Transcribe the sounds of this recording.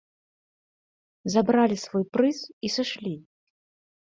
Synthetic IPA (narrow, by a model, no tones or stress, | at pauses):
zabɾalʲisvojpɾɨsisɐʂlʲi